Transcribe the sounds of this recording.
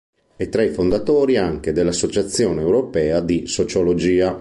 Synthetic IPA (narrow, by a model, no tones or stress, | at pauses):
et̪ːɾaifond̪at̪oːɾiaŋk̟ed̪elːasːot͡ʃat̪sːjoːneːwɾopɛːad̪isot͡ʃolod͡ʒiːa